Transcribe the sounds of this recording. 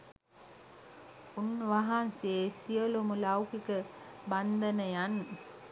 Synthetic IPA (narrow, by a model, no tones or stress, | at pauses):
unʋaɦansesijəlumulawkikəband̪ənəjan